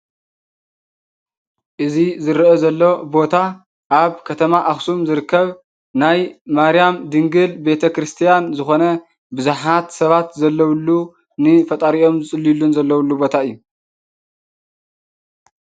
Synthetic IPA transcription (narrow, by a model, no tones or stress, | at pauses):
ʔɨzizɨɾʔozɐlːo̞bo̞t̪ʰa | ʔaβkʰɐt̪ʰɐmaʔaxsumzɨɾɨkːɐβ | najmaɾijamd̪ɨŋɡɨlbe̞t̪ʰɐkɾɨst̪ʰijanzɨxo̞nɐ | bɨzuħat̪sɐβat̪zɐlːɐwlːu | nɨfɐt̪ʼɐɾiʔo̞mzɨt͡sʼɨlːilːunzɐlːɐwulːubo̞t̪ʰaɨjːu